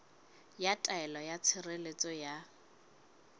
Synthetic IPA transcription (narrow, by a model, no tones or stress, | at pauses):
jatʼaɛlɔjat͡sʰɪrelet͡sʼɔja